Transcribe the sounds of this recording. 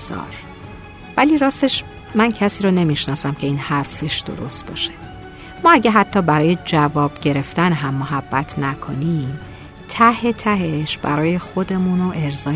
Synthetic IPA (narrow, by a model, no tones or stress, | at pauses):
zɒ̰ːɾ | væliːɾɒːst̪e̞ʃ | mæncʰæsiːɾone̞miʃnɒːsæmcʰe̞iːnhæɾfe̞ʃd̪̥o̞̰ɾo̞̰st̪̚bɒ̰ːʃe̞̥ | mɒːæɟeɦæt̪ʰːɒːbæɾɒːje̞d͡ʒævɒːb̥ɟe̞ɾe̞ft̪ænɦæmːoɦæbːæt̪ʰnækʰo̰nim | t̪ʰæhe̞t̪ʰæɦeʃb̥æ̰ɾɒːje̞xo̞d̪e̞munoʔe̞ɾzɒː